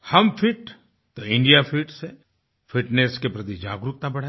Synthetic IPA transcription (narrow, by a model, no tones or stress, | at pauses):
hɐmfʰɪʈ | t̪oɪ̃ɳɖijafʰiʈse | fʰɪʈneskepɾɐt̪id͡ʒa̰ːɡɾʊk̚t̪ãbɐɽ̤